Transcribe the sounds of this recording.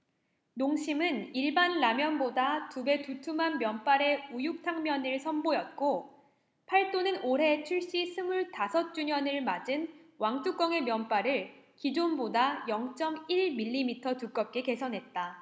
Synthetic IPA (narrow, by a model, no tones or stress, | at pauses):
noŋɕʰimɯniɭbanːamjʌnbodatube̞tutʰumɦanmjʌnp͈aɾe̞ujuk̚tʰaŋmjʌnɯɭsʰʌnbojʌt̚k͈o | pʰaɭt͈onɯnoɾɦe̞t͡ɕʰuɭɕ͈isʰɯmuɭtasʰʌt̚t͡ɕ͈uɲʌnɯɭmad͡ʑɯnwaŋt͈ʰuk͈ʌŋe̞mjʌnp͈aɾɯɭkid͡ʑonbodajʌŋt͡ɕ͈ʌmiɭmiʎːimitʰʌtuk͈ʌp̚k͈e̞ke̞sʰʌnɦe̞t̚t͈a